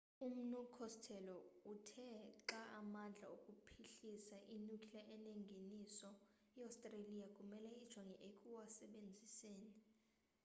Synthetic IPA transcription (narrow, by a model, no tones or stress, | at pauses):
um̩nukʰɔstʰɛlɔutʰɛǁaʔamand͡ɮʱa̰okʼupʰiɬisaʔinukʰʼilɛʔɛnɛŋɡʱenisɔ | ɛawstʼrelijakʼumɛlɛid̥ʒ̥ʱɔŋʱɛʔekʼuwasɛɓend͡zʱiseːni